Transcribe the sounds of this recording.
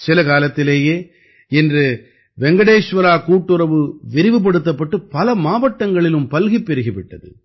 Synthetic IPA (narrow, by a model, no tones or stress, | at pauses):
sɪlɐkaːlɐt̪ːɪleːjeː | ɛndrɯ | ʋɛŋɡɐɽeːʂʋɐɾaːkuːʈːɯɾɐʋɯʋɪɾɪʋɯp̬ɐɽɯt̪̬ːɐpːɐʈːɯpɐlɐmaːʋɐʈːɐŋɡɐɭɪlɯmpɐlɣipːɛɾɯɣɪʋɪʈːɐðɯ̰